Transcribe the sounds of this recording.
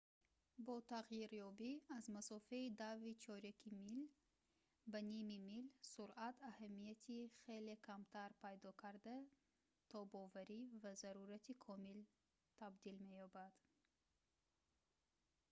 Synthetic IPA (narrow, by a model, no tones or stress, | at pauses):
bɔt̪ʰaʁjiɾjɔbiazmasɔfaid̪avit͡ʃʰɔɾakʰimil | banimimilsuɾʔat̪ʰahamijat̪ʰiχelekʰamt̪ʰaɾpʰajd̪ɔkʰaɾd̪a | t̪ʰɔbɔvaɾivazaɾuɾat̪ʰikʰɔmil | t̪ʰabd̪ilme̞jɔbad̪̥